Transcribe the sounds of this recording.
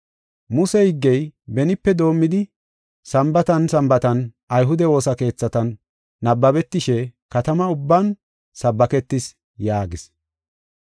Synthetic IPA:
mʊsɛhɪɡːɛjbɛnɪpːɛd̪o̞ːmːɪd̪ɪ | sɐmbɐt̪ɐnsɐmbɐt̪ɐn | ɐjɦʊd̪ɛwo̞ːsɐke̞ːt͡sːɐt̪ɐnː | ɐbːɐbɛt̪ːɪʃɛkɐt̪ɐmɐʊbːɐn | sɐbːɐkɛt̪ːɪs | jaːɡɪs

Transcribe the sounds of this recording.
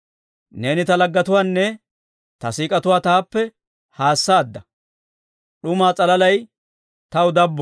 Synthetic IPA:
ne̞ːnɪt̪ɐlɐɡːɐt̪ʊwaːnːɛ | t̪ɐsiːkʼɐt̪ʊwaːt̪aːpːɛ | haːsːaːd̪ːɐ | ɗʊmaːt͡sʼɐlɐlɐj | t̪ɐwʊd̪ɐbːɔ

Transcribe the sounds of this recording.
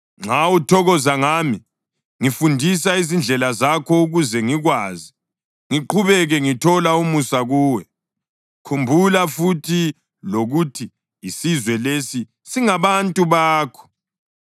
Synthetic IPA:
ŋ͡ǁautʰɔɣɔzaŋaːmi | ŋifundʱis̬aizind͡ɮʱɛlazakʰɔuɣuzɛŋiɣwaːzi | ŋiǃuβɛɣɛŋitʰɔlaumusaɣuːwɛ | kʰumbʱulafutʰi | loɣutʰiː | sizwɛlesi | siŋaβantʼuβaːkʰɔ̥

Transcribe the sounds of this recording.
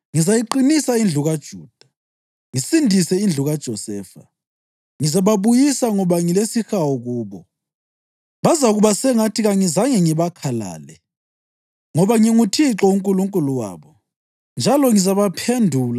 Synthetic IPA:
ŋizajiǃinisaind͡ɮʱuɣad̥ʒ̥ʱuːd̥ʱḁ | ŋisindʱisɛind͡ɮʱuɣad̥ʒ̥ʱɔsɛːfa̰ | ŋizaβaβujisaŋɔβaŋilesixawɔɣuːβɔ | βazaɣuβasɛŋatʰiɣaŋizaŋɛŋiβakʰala̰ːlɛ | ŋɔβaŋiŋutʰiǁɔuŋkʼuluŋkʼuluwa̰ːβɔ | nd͡ʒʱalɔŋizaβapʰendʱuːla

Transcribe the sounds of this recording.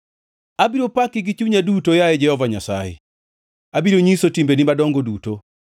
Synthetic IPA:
abiɾopakɪɡɪt͡ʃuɲadutojaɛd͡ʒɛhɔvaɲasa̰jḛ | abiɾoɲisotimbenimadɔŋɡoduto

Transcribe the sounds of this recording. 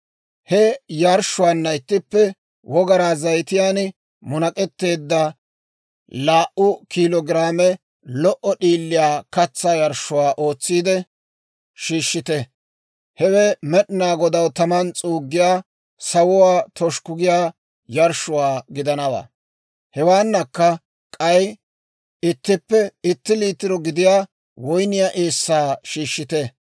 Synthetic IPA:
hɛjɐɾʃʊwaːnːɐɪt̪ːɪpːɛ | wɔɡɐɾaːzɐjt̪ɪjaːn | mʊnɐkʼɛt̪ːe̞ːd̪ːɐ | laːʔʊkilɔɡɪɾaːmɛ | lɔʔɔɗiːlːɪjaːkɐt͡sːaːjɐɾʃʊwaːʔo̞ːt͡sːiːd̪ɛ | ʃiːʃːɪt̪ɛ | hɛwɛmɛɗnaːɡɔd̪ɐwt̪ɐmɐnt͡sʼuːɡːɪjaː | sɐwʊwaːt̪ɔʃkʊɡɪjaː | jɐɾʃʊwaːɡɪd̪ɐnɐwa̰ː | hɛwaːnːɐkːɐ | kʼɐj | ɪt̪ːɪpːɛɪt̪ːɪliːt̪ːɪɾɔɡɪd̪ɪjaː | wɔjnɪjaʔeːsːaːʃiːʃːɪt̪ɛ

